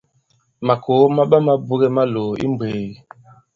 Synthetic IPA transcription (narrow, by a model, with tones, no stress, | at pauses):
ma˨kʰo˨˦ma˦ɓa˦ma˦bu˦ɣɛ˦ma˦loː˨ḭ˦mbwe˨ɣi˨